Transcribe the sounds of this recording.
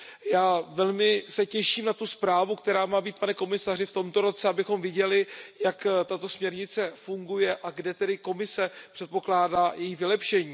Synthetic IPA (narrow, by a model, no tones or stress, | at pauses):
jaːvɛlmɪsɛcɛʃiːmnat̪uspɾaːvukt̪ɛɾaːmaːbiːt̪̚panɛko̞mɪsarɪft̪o̞mt̪o̞ɾo̞t͡sɛabɪxo̞mvɪɟɛlɪjakt̪at̪o̞smɲɛɾɲɪt͡sɛfuŋɡujɛʔaɡdɛt̪ɛdɪko̞mɪsɛpr̥ɛt̪̚po̞klaːdaːjɛjiːvɪlɛpʃɛɲiː